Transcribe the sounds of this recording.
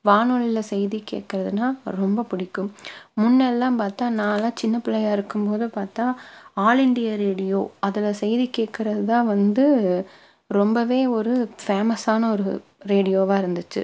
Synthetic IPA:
ʋaːnoɭɪlɐsɛjðikːḛːʈ̚kɪɾɐðɯnːaːɾɔmbɐpʊɽɪkːɯmːʊnːɛlːãːpaːɾt̪ãːnãːlaːt͡ʃɪnːɐpɪlɐjaːɪɾɯkːɯmpoːðɯpaːɾt̪ãːaːlɪɳɖɪjɐɾeːɽɪjo̰ːɐðɪlɐsɛjðikeːʈ̚kɪɾɐðɯt̪ãːʋɐnd̪ɯ | ɾɔmbɐʋeːɔɾɯfeːmɐsaːnɐɔɾɯɾeːɽɪjoːʋaːɪɾɯnd̪ɯt͡ʃːɯ̰

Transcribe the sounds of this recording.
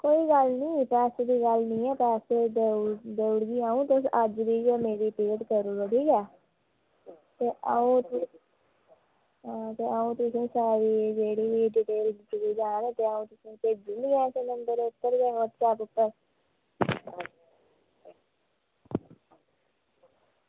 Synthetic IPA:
koːiːɡəlnĩːpɛːsed̪iːɡəlnĩːɛːpɛːseːd̪eːʊɽɡiːaːũːt̪ʊsəd͡ʒbiːd͡ʒːmeːɾiːpɪkəʈkəɾuːɡoɽiːkɛː | t̪eːʔaũːt̪ | ɦãːt̪eːʔaːũːt̪ʊsĩːsaːɾiːd͡ʒeːɽiːʋiːɖiːʈeːlɪt̪ɡiːd͡ʒaːneːt̪eːaːũːt̪ʊsĩːpeːd͡ʒiːniɛ̃ːsenəmbəɾeːʊp̪ːəɾbeːɦot̪t͡ʃaːpʊpːəɾ

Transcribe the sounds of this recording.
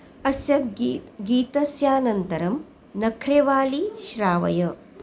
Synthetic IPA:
ɐsjɐɡiːt̪ɐsjaːnɐnt̪ɐɾɐm | nɐkʰɾeːʋaːliʃɾaːʋɐ̰jɐ

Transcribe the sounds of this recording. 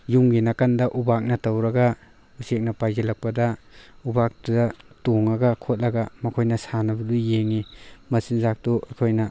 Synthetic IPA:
juŋɡenakandɐʔubak̚nɐtɐwɾɐɡɐ | usek̚nɐpajzelɐk̚pɐdɐ | ubak̚ddɐtoŋɐɡɐkʰot̚lɐɡɐmɐkʰojnɐsanɐbɐdujeŋimɐsinzak̚tuɐjkʰojnɐ

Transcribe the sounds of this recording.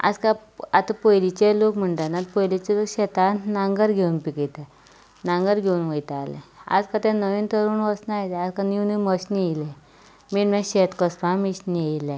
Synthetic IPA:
a̰d͡zkaat̪apojlit͡ɕelokm̤əɳʈ̪anat̪̚pojlit͡ɕelokɕɛt̪at̪naŋɡəɾɡʱeunpiket̪a | naŋɡəɾɡʱeunʋəjt̪aalɛ̰̃a̰d͡zkat̪ɛ̃nəʋint̪əɾuːnʋəsnajt̪ɛad͡zkaniwniməɕniilɛ̃ | miɾmɛ̃ɕet̪kəspãmiɕniilɛ̃

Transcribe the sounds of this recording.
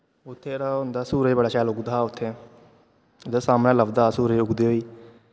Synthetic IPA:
ʊt̪ʰːeːɾaːʊ̃nd̪aːsuːɾəbəɽaːʃaːlʊɡd̪aːʊt̪ʰːẽː | d̪esaːmnẽːləbd̪aːsuːɾeʊɡd̪eːɦoːiː

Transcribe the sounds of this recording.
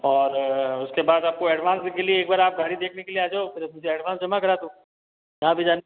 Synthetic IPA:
ɔːɾʊskebaːd̪aːp̚koɛːɖʋãːnskelieeːk̚baːɾaːp̚ɡʱaːɽid̪eːkʰnekelieaːd͡ʒaopɪɾmʊd͡ʒʱeɛːɖʋaːnsd͡ʒɐmakɐɾat̪ũː | jɐɦãbʱid͡ʒaːn

